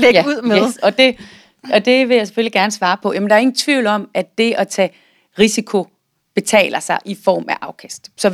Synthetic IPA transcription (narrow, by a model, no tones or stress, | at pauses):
leuð̰ˠeeɒ̽d̥e̝ | ɒd̥e̝ʋe̝jɑ̈ɪse̥føliɡ̥æɐnəsʋɑ̈ːpʰɒ̽jæmendɑɐeŋn̩t͡sʰʋiʊlɒ̽m̰æd̥e̝ʔɒ̽t͡sʰɛː | ʁisikʰo̝ | b̥e̝t͡sʰɛ̰ːlɐsɑ̈ɪʔifɒ̰ːmæʔɑ̈ʊkʰæsd̥sɒ̽